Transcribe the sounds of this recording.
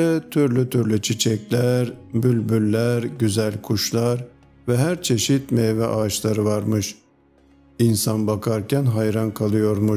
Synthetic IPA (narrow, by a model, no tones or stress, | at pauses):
ɛt̪ʰyɾlʲyt̪ʰyɾlʲyt͡ʃʰit͡ʃʰɛclʲæɾbylʲbylʲːæɾɟyzælʲkʰuʃlˠaɾ | vɛɦæɾt͡ʃʰe̞ʃit̪mɛːvɛʔaːʃlˠaɾɯvaɾmɯʃ | insanbakʰaɾcʰænɦajɾankʰalˠɯjo̞ɾmu